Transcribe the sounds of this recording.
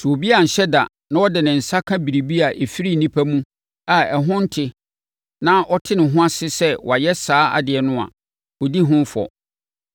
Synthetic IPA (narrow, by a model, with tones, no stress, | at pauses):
su˨o˨bi˦a˨n̩˨ɕɛ˦da̰˨ | nã˦wɔ˦dɪ˨nɪ̃˨n̩˨sa˦kʰã˦bi˨ɾi˨bi˦a˨ʔe˨fi˦ɾi˦˨nĩ˦pʰæ˦mũ˦ | a˨ɛ˨ɦʊ̃˦n̩˦tʰɪ˦ | nã˦ʔɔ˦tʰɪ˦nɪ̃˨ɦʊ̃˦a˦sɪ˦sɛ˦wɔ˨a˨jɛ˦saː˦a̰˨dɪ˨ɛ˨nʊ̃˦a̰˨ | wɔ˨di˦ɦʊ̃˦fɔ̰˨